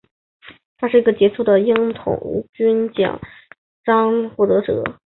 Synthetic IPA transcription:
t̪ʰa˥ʂɻ̩˥˩i˧˥ɡə˧t͡ɕjɛ˧˥ʈ͡ʂʰu˥˩d̪ə˩i˥ŋt̪ʰʊ̰˨˩ŋṵ˧˥t͡ɕy˥nt͡ɕjɑ̰˨˩˦ŋ | ʈ͡ʂɑ˥ŋxwɔ˥˩t̪ɤ˧˥ʈ͡ʂɤ̰˧˥˦

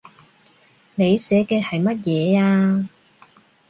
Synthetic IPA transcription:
ne˨˧jsɛː˨˥kɛː˧hɐ˨jmɐ˥t̬̚jɛː˨˧aː˧

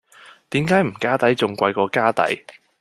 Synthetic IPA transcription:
t̪iː˨˥mkaː˨˥jm̩˨˩kaː˥t̪ɐ˨˥jt͡sʊ˨ŋkʷɐ˧jkɔː˧kaː˥t̪ɐ̰˨˥j

